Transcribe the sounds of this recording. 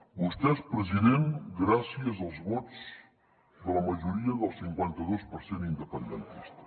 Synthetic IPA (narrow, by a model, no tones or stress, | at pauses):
bust̪ɛspɾəziðenɡɾasiəzəlˠzβɔz | ðələməʒuɾiəðəlˠsiŋkwɛnt̪əðospəɾsenind̪əpənd̪ənt̪ist̪ə̥